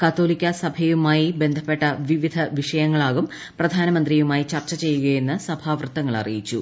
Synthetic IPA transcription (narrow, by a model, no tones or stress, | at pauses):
kɐt̪ːo̞ːlikʲːɐsɐbʱɐjumaːjibe̞nd̪ʱɐpːe̞ʈːɐʋiʋid̪ʱɐʋiʂɐjɐŋːɐɭaːɣum | prɐd̪ʱaːnɐmɐnd̪rijumaːjit͡ɕɐrt͡ɕːɐt͡ɕe̞jːuɣɐje̞nːɨsɐbʱaːʋrɨt̪ːɐŋːɐɭɐ̰rḭjit͡ɕːṵ